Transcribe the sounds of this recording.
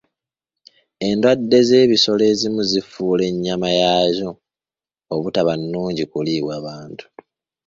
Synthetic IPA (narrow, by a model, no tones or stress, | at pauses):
e̞ndwadːe̞ze̞ːβiso̞le̞ːzimuzifuːle̞ɲːamajazo̞ː | βutaβanːuːɲɟikuliːβwaβaːntʰu̥